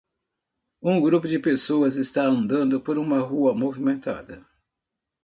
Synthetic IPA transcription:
ũɡɾupʊd͡ʒɪpesoɐzɪst̪aɐ̃nd̪ɐ̃nd̪ʊpoɾũmɐɦuɐmovimẽnt̪a̰d̪ɐ

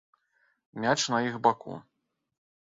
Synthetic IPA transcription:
mʲat͡ʂnɐixbakṵ

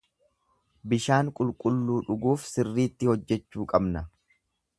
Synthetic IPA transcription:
bɪʃaːŋkʼʊlkʼʊlːuːᶑʊɡuːfsɪrːiːt̪ːɪhɔd͡ʒːɛt͡ʃːuːkʼɐbnɐ

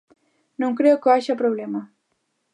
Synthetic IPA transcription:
nũwŋkɾekəaʃapɾoblema

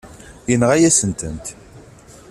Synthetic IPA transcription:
jənʁæjæsənt̪ənt̪

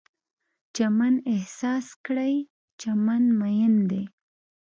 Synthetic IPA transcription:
t͡ʃamanehsɑskɽaj | t͡ʃamanmajɪnd̪e

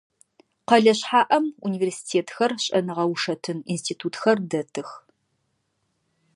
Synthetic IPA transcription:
qɐɮɐɕħaːʔɐmuniːveːrsi̥tʰeːtʰxɐrɕʼɐnɨʁɐwʂɐtʰɨnḭnstʰiːtʰuːtʰxɐrdɐtʰɨx

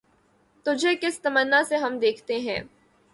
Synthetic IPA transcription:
t̪ʊd͡ʒʱekɪst̪ɐmənːaseɦɐmd̪eːkʰt̪eɦɛ̰̃ː

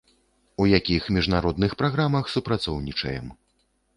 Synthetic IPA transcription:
ujakʲixmʲiʐnaɾɔd̪nɨxpɾaɣɾamɐxsupɾat̪sɔwnʲit͡ʂɐ̰jɛm

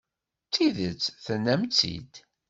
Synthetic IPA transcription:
t͡sːiðət͡sːθənːæmt͡sːḭd̪

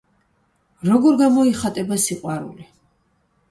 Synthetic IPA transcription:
ɾɔɡɔɾɡamɔiχat̪ʼɛbasiqʼwaɾṵli

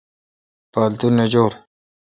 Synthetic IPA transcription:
paːlt̪unːed͡ʑoːɾ

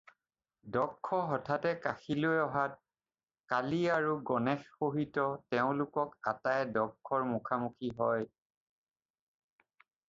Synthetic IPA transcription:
dɔkʰːɔɦɔtʰatɛkaxilojɔɦat̚ | kaliaɹuɡɔnɛxxoɦitɔtɛʊ̃lʊkɔkatajdɔkʰːɔɹmukʰamukʰiɦɔj

